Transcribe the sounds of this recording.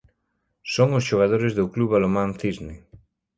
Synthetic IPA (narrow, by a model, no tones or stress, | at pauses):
soŋosʃoɣað̞oɾezðokluβalomãnθizne